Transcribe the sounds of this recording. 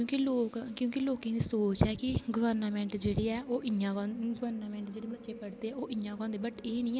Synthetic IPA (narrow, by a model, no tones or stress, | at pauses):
jõːkiloːkkjõːkiloːkĩːd̪iːsoːt͡ʃɛːkɪɡəʋəɾnəmɛ̃ːɳʈd͡ʒeːɽeːɛːʔoːʔɪjãːkɔ̃ɡəʋəɾnːmɛ̃ːɳʈd͡ʒeːɽeːbətːʃeːpəɽd̪eːɛːoːʔɪjãːkɔ̃ːnd̪eːbəʈeːnĩː